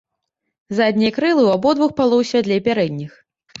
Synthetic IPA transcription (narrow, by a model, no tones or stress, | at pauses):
zad̪ʲnʲɛjɐkɾɨlˠɨwabɔd̪vuxpalˠɔwsʲvʲat̪lʲɛpʲaɾɛd̪ʲnʲix